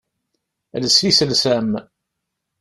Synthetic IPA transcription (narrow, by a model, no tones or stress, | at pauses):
ləsisəlsæm